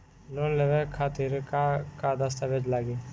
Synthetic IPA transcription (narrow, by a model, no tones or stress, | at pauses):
loːnleʋekʰaːt̪iɾkakad̪ɐst̪aʋed͡ʒlaːɡiː